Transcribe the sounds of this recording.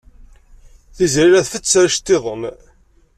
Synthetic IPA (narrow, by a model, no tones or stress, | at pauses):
θizɾiɾæθfət͡sːaɾʃt̪ːeðˤəm